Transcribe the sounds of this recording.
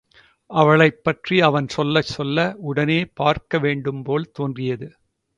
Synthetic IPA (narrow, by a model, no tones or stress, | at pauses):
ʔɐʋɐɭɐɪpːɐʈriɐʋɐnsɔlːɐt͡ʃːɔlːɐʊɽɐneːpaːɾkɐʋeːɳɖɯmpoːlt̪oːndrɪjɐðɯ